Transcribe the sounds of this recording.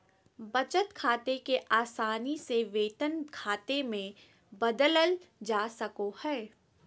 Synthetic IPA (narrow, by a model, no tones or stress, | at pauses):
bɐt͡ʃət̪kʰaːt̪ekeʔaːsaːniseʋeːt̪ənkʰaːt̪emẽ | bɐd̪ələld͡ʒaːsɐkohɛː